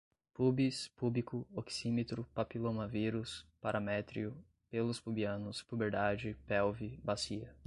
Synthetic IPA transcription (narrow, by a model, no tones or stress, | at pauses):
pubispublikʊoksimet̪ɾʊpapilõnɐviɾʊspaɾʔɐmɛt̪ɾiʊ | pelʊspubiɐ̃nʊspubeɾd̪ad͡ʒɪpɛwvibasiɐ